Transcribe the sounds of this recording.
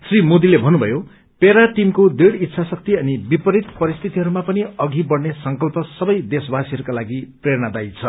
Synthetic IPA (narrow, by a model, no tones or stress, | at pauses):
srimod̪ilebʱʌnːubʱʌjo | peɾaʈimkod̪eɽit̪ːsʰasʌk̚t̪iʌnibipʌɾit̪pʌɾist̪ʰit̪iɦʌɾumapʌniʌɡibʌɽnesʌŋkʌlpʌsʌbʌjd̪esbasiɦʌɾukalaɡipreɾñad̪ajt͡sʰʌ